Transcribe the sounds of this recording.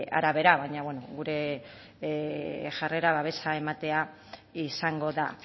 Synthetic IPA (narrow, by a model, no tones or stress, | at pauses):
a̰ɾaβe̞ɾaβaɲaβwe̞noɣuɾe̞ | ʝare̞ɾaβaβe̞sae̞mat̪e̞a | isaŋɡo̞ða